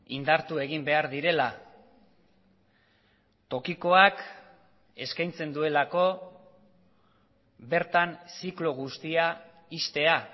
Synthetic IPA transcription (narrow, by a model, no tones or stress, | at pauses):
ind̪aɾt̪ue̞ɣimbe̞aɾðiɾe̞la | t̪o̞kiko̞ak | e̞skajnt͡se̞nd̪ue̞lako̞ | be̞ɾt̪ansikloɣ̞ust̪ia | ist̪e̞a